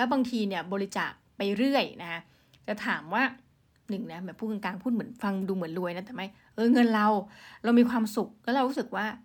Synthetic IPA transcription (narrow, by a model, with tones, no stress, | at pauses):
lɛ˦˥wbaː˧ŋt̪ʰiː˧ni˥˩ɐbɔː˧ɾi˦˥t͡ɕa̰ː˨˩k̚pa˧jɾɯ˥˩əjna˦˥kʰa˦˥ | t͡ɕa˨˩t̪ʰaː˩˦mwaː˥˩ | nɯ˨˩ŋna˦˥mɯ˨˦npʰuː˥˩ŋɤ˧nkaː˧ŋpʰu˥˩m˩˦ənfa˧ŋduː˧mɯ˩˦ənlu˧əjna˦˥t̪ɛː˨˩ma˥˩j | ʔɤː˧ŋɤ˧nɾa˧wɾa˧wmiː˧kʰwaː˧msu˨˩k̚lɛ˦˥ɾa˧wɾuː˦˥sɯ˨˩k̚waː˥˩